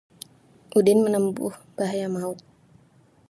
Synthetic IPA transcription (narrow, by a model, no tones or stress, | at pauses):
ʔudɪnmənəmbʊ̰hb̥aɦajamaʊk̚